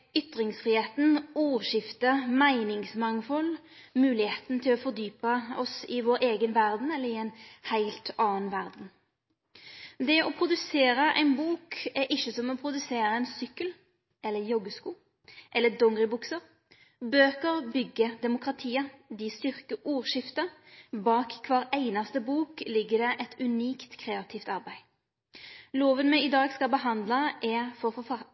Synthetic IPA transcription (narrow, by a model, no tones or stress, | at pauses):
ʏt̪ɾɪŋsfʁiːheːt̪n̩uːʃɪft̪əmæɪnɪŋsmɑŋfɔl | mʉːlɪheːt̪n̩t̪ʰɪlɔfɔʁd̪yːpəɔsɪʋoːɾeːɡənʋæʁd̪n̩ɛlːəɾɪɛɪnhæɪlt̪ɑːnnʋæʁd̪n̩ | d̪ɛɔpʰɾʊd̪ʉseːɾəʔæ̰ɪnbuːkɛɾʔɪçəsɔmɔpʰɾʊd̪ʉseːɾəɛnsʏkːəl | ɛlːəjɔɡːəskuː | ʔɛlːəd̪ɔŋɡʁɪbʊksəɾ | bøːkəɾbʏɡːəd̪ɛmʊkʁɑt̪ʰiːəd̪ɪst̪ʏʁkəʔuːʁʃɪft̪əbɑːkkʰʋɑːʁæɪnɑst̪əbuːklɪɡːəd̪ɛʔɛt̪ʉniːkt̪kʰʁeːɑt̪ʰɪft̪ɑʁbæɪ | loːʋənmɛɪd̪ɑːɡskɑlbəɦɑnd̪lɑʔɛʁfɔʁfɔfɑ